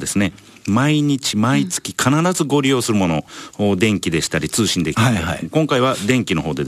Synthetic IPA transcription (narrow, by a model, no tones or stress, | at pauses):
d̪e̞sɨne̞ | maiɲ̟it͡ɕimait͡sɨ̥kʲi̥kʰanaɾazɨɡo̞ɾʲijo̞ːsɨɾɯ̟mo̞no̞d̪ẽ̞ŋkʲid̪e̞ɕi̥t̪aɾʲit͡sɨːɕĩnd̪e̞kʲiaakõŋkaiβ̞ad̪ẽ̞ŋkʲino̞ɦo̞ːd̪e̞